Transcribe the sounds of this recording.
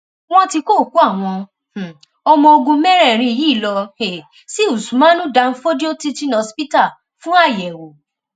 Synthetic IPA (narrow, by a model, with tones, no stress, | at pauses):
w̃ɔ̃˦ti˧ko˦˨ku˨˦a˦˨w̃ɔ̃˧˨ | ɔ˧mɔ̃˧o˧ɡũ˧mɛ˦ɾɛ˦˨ɾ̃ĩ˧i˨ji˨˦˨lɔ˧e˨ | si˦u˨su˨˦mã˦nũ˦da˧n̩˦fo˦di˦o˦ti˦ti˦nɔ̃˨˧˦spi˦ta˦˨ | fũ˦a˦˨jɛ˨wo˨˦